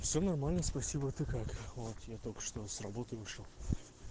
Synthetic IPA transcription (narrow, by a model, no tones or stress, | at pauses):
fsʲonɐrmalʲnəspɐsʲibət̪ɨkakvot̪jat̪olʲkə̥ʂt̪o̞srɐbo̞t̪əjvɨʂəlˠ